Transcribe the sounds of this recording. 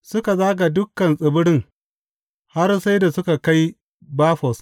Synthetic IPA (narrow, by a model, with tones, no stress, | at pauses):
sʊ˦ka˨zaː˦ɡa˨dʊ˦kːɐ˨nsʼɪ˨bʊ˦ɽɪ˦ŋ | ha˦rsa˦jda˨sʊ˦ka˨ka˦j | baː˦ɸɔ˨s